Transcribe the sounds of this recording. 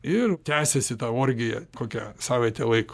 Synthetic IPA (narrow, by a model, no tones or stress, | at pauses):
ɪrt̪ʲæːsʲɛsʲɪt̪ɑːoːɾʲɡʲɪjɛ̰koːkʲɛsɑːʋʲɛt̪ʲɛlˠɐɪk